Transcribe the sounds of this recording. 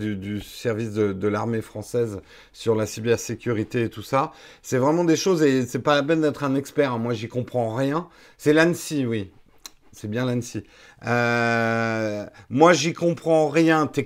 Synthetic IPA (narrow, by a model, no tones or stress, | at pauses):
d̪yd̪ysɛʁvis̬d̪əd̪əlaʁmefχɑ̃sɛz | syʁlasibɛʁsekʲyʁit̪eːt̪usa | sɛvʁɛmɑ̃d̪eʃozesɛpalapɛnd̪ɛt̪χɛ̃nɛkspɛʁɛ̃mwaʒikɔ̃pχɑ̃ʁjɛ̃ | sɛlansiwi | sɛbjɛ̃lansi | ø | mwaʒikɔ̃pχɑ̃ʁjɛ̃t̪ɛ